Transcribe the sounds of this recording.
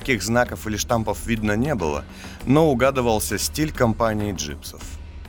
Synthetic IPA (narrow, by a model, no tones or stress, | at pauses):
kʲiɣznakəfɨlʲɪʂt̪ampəfvʲid̪nənʲebɨ̰lˠə̰ | noʊɡad̪ɨvəlˠsʲəsʲtʲilʲkɐmpanʲɪːʐɨ̰psəf